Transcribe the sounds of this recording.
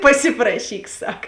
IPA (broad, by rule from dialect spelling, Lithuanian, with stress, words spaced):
pɐˈsʲɪprɐʃʲiːk ˈsɐk